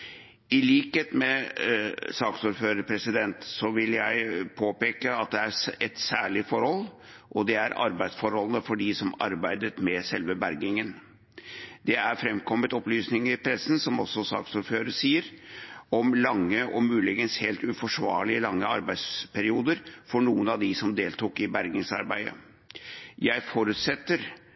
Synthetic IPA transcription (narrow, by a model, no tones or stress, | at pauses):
ɪliːkeːt̪mɛ | sɑːksuːɾføːɾəɾpʰɾɛsɪd̪ɛnt̪sɔʋɪljæɪpʰoːpeːkəɑt̪̚d̪ɛæɾɛt̪sæːɭɪfɔɾhɔlː | ʔɔd̪ɛæɾɑ̰ɾbæɪd̪sfɔɾhɔlənəfɔɖɪsɔmɑ̰ɾbæɪd̪ət̪mɛsɛlʋəbæɾɡɪŋən | d̪ɛæɾfɾɛmkʰɔmːət̪ɔplyːsnɪŋəɾɪpʰɾɛsːn̩sɔmɔsːɔsɑ̰ːksɔɾføːɾəsiːəɾɔmlɑŋːəʔɔmʉːlɪɡənsheːlt̪ʉfɔʂʋɑ̰ːɭɪəlɑŋːəɑ̰ɾbæɪd̪spʰæɾɪuːd̪əɾfɔɳuːənɑʋd̪ɪsɔmd̪eːlt̪uːkɪbæɾɡɪŋsɑ̰ɾbæɪd̪ə̰ | jæɪfɔɾʉt̪sɛt̪ːəɾ